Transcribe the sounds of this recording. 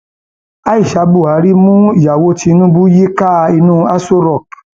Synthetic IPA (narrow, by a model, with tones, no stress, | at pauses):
a˦i˦˨ʃa˨˦bu˦˨a˨˦ɾi˦mũ˦i˨ja˨wo˧˦ti˧nũ˦bu˦ji˦ka˦˧i˧nũ˦a˦so˦ɾɔ˦˨k